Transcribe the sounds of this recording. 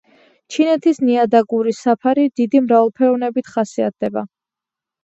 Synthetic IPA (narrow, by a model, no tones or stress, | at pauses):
t͡ʃʰinɛt̪ʰisniad̪aɡuɾisapʰaɾid̪id̪imɾavɛlˠpʰɛɔvnɛbit̪ʰχasia̰t̪̚ʰd̪ɛba